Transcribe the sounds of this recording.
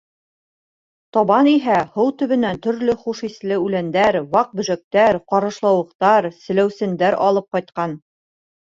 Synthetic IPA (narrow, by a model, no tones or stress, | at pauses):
t̪ɒβɑniɦæhɤwt̪ɵ̆βɘ̆nænt̪ɵ̆ɾlɵχuʃislɘʉlænd̪æɾwɑq̚bɵ̆ʒæk̚t̪æɾqɒɾɤ̆ʃlˠɑwɤ̆qt̪ɑɾsɘ̆læwsɘ̆nd̪æɾʔɒlˠɤp̚qɒjt̪̚qɑn